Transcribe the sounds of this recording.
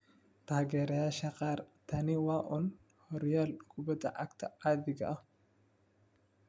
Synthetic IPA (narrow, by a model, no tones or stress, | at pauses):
t̪aːɡɛɾɐjaʃɐqʼaːɾt̪ʰɐnɪwaːʔʊn | hɔɾɪjaːlɡʊbɐt̪ɐ̰ʔɐkt̪ʰɐaːd̪ɪɡɐ̰ʔɐ